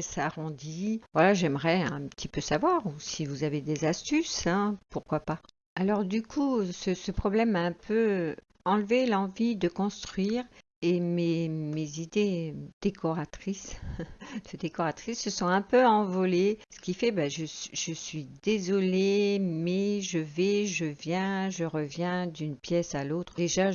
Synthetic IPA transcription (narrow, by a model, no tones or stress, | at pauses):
saʁɔ̃d̪ivwalaʒɛmʁɛɛ̃pət̪ʰipøsavwaʁusivuzaved̪ezast̪ysɛ̃puʁkwapa | alɔʁd̪ykʰusəsəpχɔblɛmaɛ̃pʰø | ɑ̃lvelɑ̃vid̪əkɔ̃st̪χɥiʁ | ememezid̪ed̪̥ekʰɔʁat̪χis | əd̪ekɔʁat̪χisːəsɔ̃ɛ̃pøɑ̃vɔlesə̥kʲifɛbaʒəsʒəsɥid̪ezɔlemɛʒəvɛʒəvjɛ̃ʒəʁəvjɛ̃d̪ynpjɛsalot̪χd̪eʒa